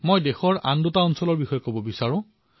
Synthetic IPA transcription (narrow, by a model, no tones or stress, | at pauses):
mojdexɔɹa̰ndotaɔnsɔlɔɹbixɔjɔkobɔbisaɹʊ̃